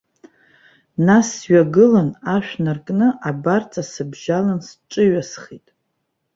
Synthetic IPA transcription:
nasɥaɡɨlanaʃᶣnarkʼnɨʔabart͡sʼasɨbʒalansʈ͡ʂʼɨɥasχitʼ

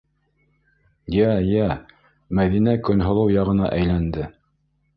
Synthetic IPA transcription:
jæjæ | mæðinækɵ̆nɦŏlˠɤwjɑʁɤ̆nɑ̰ʔæjlænd̪ɘ

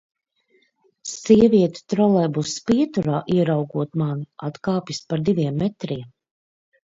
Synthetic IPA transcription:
siɛvʲiɛt̪u̥t̪ɾɔlˠɛːbusspiɛt̪uɾaːʔiɛɾawɡuɔt̪manat̪kaːpʲjispaɾd̪iviɛmːɛt̪ɾiɛm

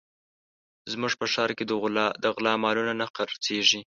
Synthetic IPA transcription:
zmuʐpəʃɑɾked̪əɣld̪əɣlɑmɑlunanaqaɾt͡seʐi

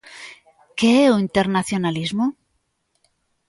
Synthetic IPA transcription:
keeuint̪eɾnaθjonalizmo

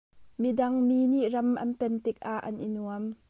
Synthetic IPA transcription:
midɐŋmiːniʔrɐmʔɐ̰npɛnt̪ɪk̚ʔaʔːɐnʔinuəm

